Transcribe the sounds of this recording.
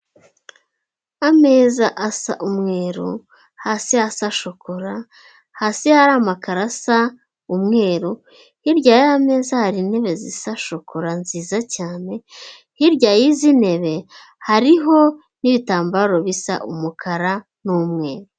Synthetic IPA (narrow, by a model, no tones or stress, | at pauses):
ame̞ːzaʔasa̰ʔumŋe̞ːɾo̰ | hasiasaʃo̞ko̞ɾa | hasihaɾamakaɾasa | umŋe̞ːɾo | hiɾɟaːjame̞ːzahaɾine̞βe̞zisaʃo̞koɾanziːzacaːne̞ | hiɾɟajizine̞βe̞ | haɾiɦo̞ | niβitaːmbaɾo̞βisa̰ʔṵmukʰaɾa | nuːmŋe̞ːɾ